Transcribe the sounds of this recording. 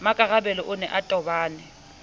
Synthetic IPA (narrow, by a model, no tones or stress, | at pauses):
makʼaɣabɛlɔʔʊnɛʔatʼɔbaːnɛ